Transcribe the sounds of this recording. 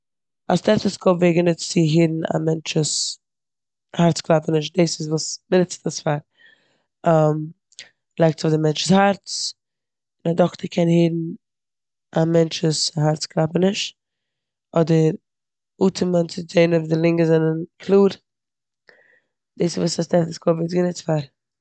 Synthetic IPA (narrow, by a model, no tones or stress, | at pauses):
astɛɾftəskʰɔveːɡənɪt͡st͡sɪɦiːdn̩a̰mɛnt͡ʃus | haɾt͡sklˠapənɪʃt̚desɪzvuːsmɪnɪt͡stəsfaɾ | am | lˠaɪk̚tt͡sɔdɪmɛnt͡ʃɪ̥shaɾt͡s | ɪnadɔktəɾkʰɛnhiːdn̩ | amɛnt͡ʃvushaɾt͡sklˠapənɪʃt | ɔdəɾ | uːtʰəmənt͡sɪzeɪnɔvdɪlˠɪŋɡəzɛnənkʰlˠuːɾ | d̥esɪzvuːsastɛɾtɪskɔbvɪsɡənɪt͡sfaɾ